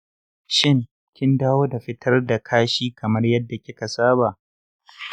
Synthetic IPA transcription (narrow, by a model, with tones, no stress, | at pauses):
ʃɪ˦ŋ | kʲɪ˦ndaː˦woː˦da˨ɸɪ˦tʰɐ˦rda˨kʰaː˦ʃiː˦kʰɐ˨mɐ˦rjɐ˦dːa˨kʲɪ˦ka˨saː˦baː˨ʔ